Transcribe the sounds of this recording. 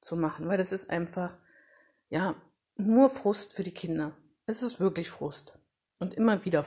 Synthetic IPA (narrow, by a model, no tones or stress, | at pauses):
t͡sumaχn̩vaɪlɛsɪstʔa̰ɪnfaχ | jaː | nuːɐfʁ̥ʊstfyːɐdiːkʰɪndɐ | ʔɛsɪstv̥ɪɐklɪçfʁ̥ʊst | ʔʊntʔɪmɐviːdɐ